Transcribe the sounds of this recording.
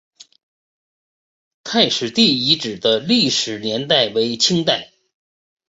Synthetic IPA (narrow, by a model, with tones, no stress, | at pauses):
t̪ʰa˥˧ɪʂɻ̩˨˩t̪i˥˩i˧˥ʈ͡ʂɻ̩˨˩d̪ə˦li˥˩ʂɻ̩˨˩njɛ˧˥nt̪a˥˩ɪwe˧˥ɪt͡ɕʰi˥ŋt̪a˥˩ɪ